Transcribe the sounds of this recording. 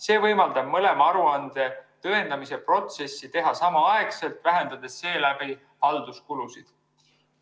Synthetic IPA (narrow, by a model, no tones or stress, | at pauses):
se̞ːvɤjmɑld̪̥ɑb̥̚mɤle̞mɑɑɾuɑnd̪̥e̞t̪ɤend̪ɑmise̞pro̞t̪se̞sːit̪e̞ɦɑsɑmɑɑe̞kse̞lt̪væɦe̞nd̪ɑd̪̥e̞sːe̞ːlæbi | hɑld̪uskulusid̪̥